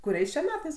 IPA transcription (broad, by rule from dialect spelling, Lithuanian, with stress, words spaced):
kʊˈrʲɛɪs t͡ʃʲɛ ˈmʲæːtɐɪs